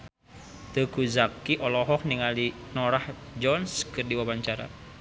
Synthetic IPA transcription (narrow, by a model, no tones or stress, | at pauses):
t̪əɡuzakiʔɔlɔɦɔk̚niŋalinɔɾahd͡ʒɔnskərdiwawaɲt͡ʃaɾa̰